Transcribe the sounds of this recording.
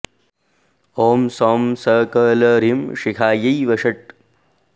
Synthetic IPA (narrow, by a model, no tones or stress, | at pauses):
oːmsoːmsɐːkɐːlɐɾimʂikʰaːjɐjʋɐʂɐʈ̚